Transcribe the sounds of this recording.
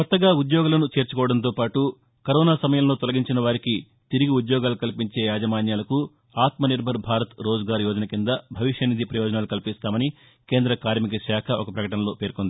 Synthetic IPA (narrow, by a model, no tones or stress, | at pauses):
kɔt̪ːɐɡaːud̪jɔːɡulɐnut͡ʃe̞ːɾt͡ʃukɔːʋɐɽɐnt̪o̞ːpaːʈu | kɐɾɔːnaːsɐmɐjɐmlo̞ːt̪ɔlɐɡiɲt͡ʃinɐʋaːɾiki | t̪iɾiɡiud̪jɔːɡaːlukɐlipiɲt͡ʃe̞ːjaːd͡ʒɐmaːnjaːlɐku | aːt̪mɐniɾbʱɐɾbʱaːɾɐt̪ɾoːd͡ʒɐɡaːɾjɔːd͡ʒɐnɐkind̪ɐbʱɐʋiʃjɐnid̪ʱipɾɐjɔːd͡ʒɐnaːlukɐlipist̪aːmɐni | ke̞ːnd̪ɾɐkaːɾmikɐʃaːkʰɐʔɔkɐpɾɐkɐʈɐnɐloːpe̞ːɾkond̪i